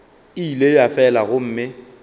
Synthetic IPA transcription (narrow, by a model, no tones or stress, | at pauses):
ilejafɛlaɣʊm̩ːmɪ